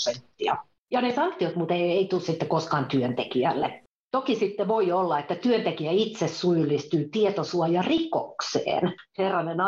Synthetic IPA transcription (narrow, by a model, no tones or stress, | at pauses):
sent̪ːiɑ̰ | jɑnesɑŋkt̪iot̪mut̪eieit̪usit̪ːekoskɑːnt̪yønt̪ekiælːḛ | t̪okisit̪ːeʋoiolːɑet̪ːæt̪yønt̪ekiæit̪sessujylːist̪yːt̪iet̪osuɑjɑriko̰ksḛːnherːɑnenɑ